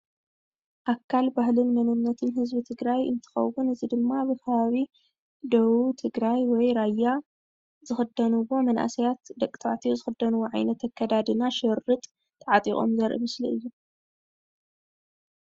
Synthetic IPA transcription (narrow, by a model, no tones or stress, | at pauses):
ʔakʰːalbahlɨnmɐnɨnːɐt̪ʰɨnɦɨzbit̪ʰɨɡɾajɨ̰nt̪ʰɨ̥xɐ̰wːʊnɨzid̪ɨmːabɨkʰɐβaβi | d̪ɐwut̪ʰɨɡɾajwɔjɾajːa | zɨxɨd̪ɐnɨwo̞mɐnʔa̰sɐjat̪d̪ɐkʼːt̪ʰat̪ʰijozɨxɨd̪ːɐnuwoʕa̰jnɐt̪ʰɐkʰːɐd̪ad̪ɨnaʃɨɾɨt̪ʼ | t̪ʰːɐʕat̪ʼixʼo̞̰mzɐɾʔɨ̰mɨsliɨjːu